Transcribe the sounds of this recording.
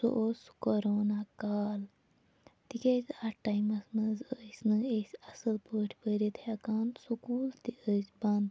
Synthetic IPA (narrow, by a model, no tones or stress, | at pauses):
so̰ʔoskoɾoːnakaːl | t̪ikʲezaʈajmɐsnɐzəsʲnɨesʲɐsɨlpəːʈʰpəɾit̪ʰhɐkaːnsukuːlt̪iʔəsʲbɐnd̪